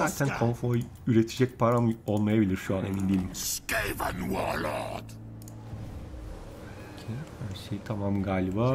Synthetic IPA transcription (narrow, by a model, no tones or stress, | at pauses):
aːt̪ʰænkʰonfoj | yɾet̪ʰid͡ʒɛc̚pʰaɾamo̞lˠmajabilʲiɾʃuane̞mind̪ilʲimskejva̰nua̰la̰d̪ | cʰehaʃejt̪ʰamamɡaːlʲiba